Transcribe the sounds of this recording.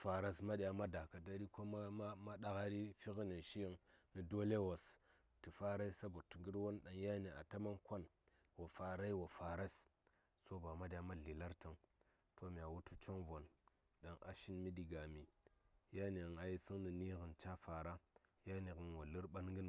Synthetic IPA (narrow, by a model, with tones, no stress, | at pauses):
fa˨ɾa˦sma˦ɗi˨a˨ma˦da˨ka˨da˦ɾi˦ko˦ma˦ma˦ma˦ɗa˦ɣa˦ɾi˦fi˦ɣi˦ne˨ʃi˦ji˦ŋni˨do˦le˦wo˨s | ti˨fa˦ɾa˦i˦sa˦bo˨tu˨ɡi˦ɾwo˦nɗa˨ŋja˦ne˨a̰˨ta˦ma˦nkʷo˦n | wa˨fa˨ɾa˦i˦wa˨fa˨ɾa˦s | so˦ba˨ma˦di˨ja˦ma˦ɮi˨la˦ɾtə˨ŋ | to˦mi˨a˨wu˦tu˦t͡ʃo˦ŋvo˨n | ɗa˨ŋʔa̰˨ʃi˦nmi˦di˨ɡa˨mi˨ja˦ne˨ɣŋa˨ji˦si˦ŋni˨ni˦ɣə˨nt͡ʃa˦fa˨ɾa˦ja˦ni˨ɣə˨nwo˨lə˦ɾɓa˦nŋɡi˦n˨